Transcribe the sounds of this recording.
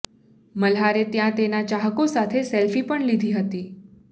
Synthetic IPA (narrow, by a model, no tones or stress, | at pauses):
məlɦaɾet̪jãt̪enat͡ʃaɦəkosat̪ʰeselfipəɳlid̪ʱiɦət̪i